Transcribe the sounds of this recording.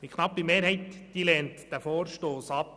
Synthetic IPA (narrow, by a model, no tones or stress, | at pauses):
ʋikʰnɑpːimeːɾhɛɪt̪d̥iːlɛːnt̪d̥ɛfoːɾʃtoːsɑp